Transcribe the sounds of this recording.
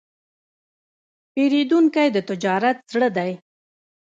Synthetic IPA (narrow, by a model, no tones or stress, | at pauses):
peɾed̪uŋkajd̪ət̪ɪd͡ʒɑɾat̪̚zɽəd̪aj